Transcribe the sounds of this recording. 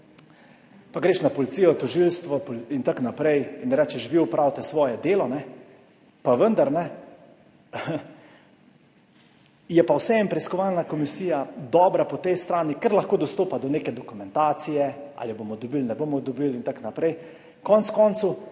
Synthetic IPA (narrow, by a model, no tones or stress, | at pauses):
paɡɾeːʃnapɔlit̪sijɔt̪ɔʒilst̪ʋɔpɔlint̪aknapɾɛjinɾɛt͡ʃɛʃʋiupɾawt̪ɛsʋɔːjɛd̪eːlɔnɛ | paʋənd̪aɾnɛ | jɛpawsɛɛmpɾɛiskɔʋalnakɔmisiːjad̪ɔːbɾapɔt̪ɛjst̪ɾaːnikəɾlaxkoːd̪ɔst̪oːpad̪ɔneːkɛd̪ɔkumɛnt̪aːt̪sijɛa̰ljɔbomɔd̪ɔbilnɛbomɔd̪ɔbilint̪aknapɾɛj | kɔntskɔnt̪su